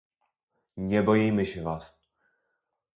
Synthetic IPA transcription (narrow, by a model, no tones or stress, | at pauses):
ɲɛbojijmɛɕɛvaːs